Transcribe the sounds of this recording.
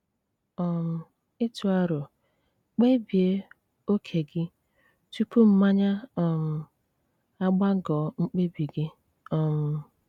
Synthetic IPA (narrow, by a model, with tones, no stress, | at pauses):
ɔ˨m̩˨ | ɪ˦tu˨a˦ɾʊ˨ | k͡pe˦bi˨e˦ | o˦kʰe˨ɡɪ˦ | tu˦pu˦m̩˦ma˦ɲa˦ɔ˨m̩˨ | a˦ɡ͡ba˦ɡɔ˨˦ŋ͡m̩˦k͡pe˦bi˨ɡɪ˦ | ɔ˦m̩˨